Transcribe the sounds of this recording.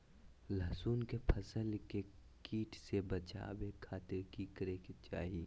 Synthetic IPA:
laːsuːnkepʰɐsəlkekiːʈʰsebɐt͡ʃa̰ːbekʰaːt̪ɪɾkikɾeket͡ʃa̰ːɦiː

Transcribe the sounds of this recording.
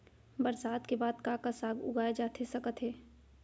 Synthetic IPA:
bəɾsaːd̪kebaːd̪kakasaːɡʊ̰ɡʱaːed͡ʒaːt̪ʰesɐkət̪ɦɛː

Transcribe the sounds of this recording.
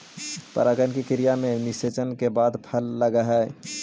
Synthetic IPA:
pɐ̰ɾaːɡənkikɪɾijamẽnɪseːt͡ʃənkebaːd̪pʰəlːɐɡaɦɛː

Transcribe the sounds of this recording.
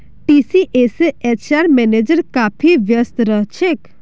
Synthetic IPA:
ʈisiʔeseet͡ʃaɾmɛned͡ʒəɾkaːpʰiʋjəst̪ɾəɦt͡ʃʰek

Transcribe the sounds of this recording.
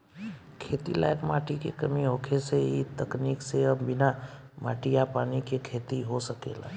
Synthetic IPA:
kʰeːt̪ila̰ːjəkmaːʈikekəmiɦokʰeseit̪əkniːkseəbɪna | ma̰ːʈijapaːnikekʰeːt̪iɦosəkḛːla̰

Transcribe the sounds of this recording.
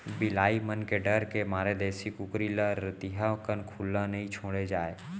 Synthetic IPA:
bɪlaːimənkeɖəɾkemaːɾed̪ɛːsikʊkɾiləɾɪt̪ɪɦakənkʰulːãnəɦĩt͡ʃʰoːɽed͡ʒaːe

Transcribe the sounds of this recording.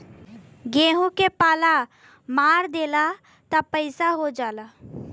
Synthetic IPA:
ɡẽːɦõkepaːla | maːɾd̪eːla | t̪apəɪsaɦod͡ʒaːlaː

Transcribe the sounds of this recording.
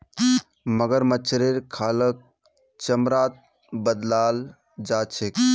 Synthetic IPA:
məɡəɾmət͡ʃʰɾeɾkʰaːlək̚ | t͡ʃəmɾaːt̪̚ | bəd̪laːl | d͡ʒaːt͡ʃʰek

